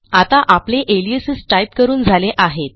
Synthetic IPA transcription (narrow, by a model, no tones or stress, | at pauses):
at̪aʔapleʔeliəsəsʈajp̚kəɾuːnd͡zʱaleʔaɦet̪̚